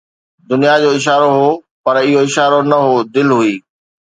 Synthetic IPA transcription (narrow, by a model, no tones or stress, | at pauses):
d̪ʊnijad͡ʑoːɪʃ̬aːɾoɦo | pɐɾɪɦoɪʃaːɾonɐɦod̪ɪlɦʊiː